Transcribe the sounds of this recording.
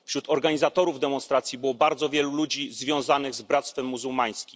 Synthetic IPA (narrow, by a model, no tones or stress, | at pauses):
fɕɾut̪ɔɾɡaɲizat̪ɔɾuvd̪ɛmɔnst̪ɾat̪sʲjibɘwɔbaɾd̪zɔvʲjɛlulud͡ʑizvʲjɔ̃w̃zanɘɣzbɾat̪st̪fɛmːuzuwmaj̃skʲim